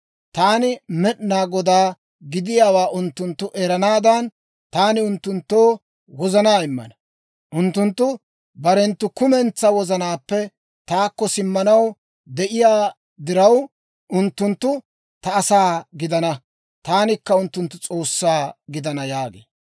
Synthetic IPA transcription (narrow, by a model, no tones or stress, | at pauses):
t̪aːnɪmɛʔnaːɡɔd̪aː | ɡɪd̪ɪjaːwaːʔʊnt̪ːʊnt̪ːʊʔɛɾɐnaːd̪ɐn | t̪aːnɪʊnt̪ːʊnt̪ːoː | wɔzɐnaːɪmːɐ̰nɐ | ʔʊnt̪ːʊnt̪ːʊ | bɐɾɛnt̪ːʊkʊmɛnt͡sːɐwɔzɐnaːpːɛ | t̪aːkːɔsɪmːɐnɐw | d̪ɛʔɪjaː | d̪ɪɾɐw | ʔʊnt̪ːʊnt̪ːʊ | t̪ɐːsaːɡɪd̪ɐnɐ | t̪aːnɪkːɐʊnt̪ːʊnt̪ːʊt͡sʼo̞ːsːaːɡɪd̪ɐnɐjaːɡḛː